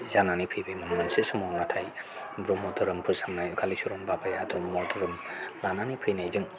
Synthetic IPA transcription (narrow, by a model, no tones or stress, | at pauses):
zananipʰɯjbemɯnmansesɔmɔnatʰaj | bɾɔmɔd̪ɯɾɯmpʰɯsamnajkʰalisuɾɔmbabajad̪ɾɔmːɔdɯɾɯmlananipʰɯjnajzɯŋ